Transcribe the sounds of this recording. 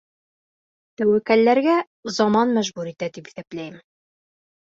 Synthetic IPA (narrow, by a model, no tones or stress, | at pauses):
t̪æwækælːæɾɡæ | zɒmɑnmæʒbuɾit̪æd̪ipi̥θæplæjɘm